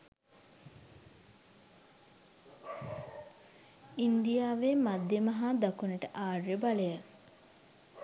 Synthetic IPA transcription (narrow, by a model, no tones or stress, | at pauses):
ind̪ijaːʋemad̪jemɐɦad̪akunəʈəʔaːrjəbaləjə